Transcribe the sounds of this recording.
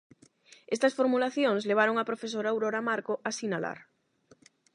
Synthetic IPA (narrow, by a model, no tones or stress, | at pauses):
est̪ɐsfoɾmulaθjõŋsleβ̞aɾoŋapɾofes̬oɾaːwɾoɾamaɾkoʔasinala̰ɾ